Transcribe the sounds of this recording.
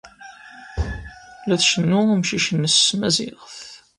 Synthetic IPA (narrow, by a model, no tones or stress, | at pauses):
læθʃənːʊmʃiʃənːəsmæzɪ̰ʁəθ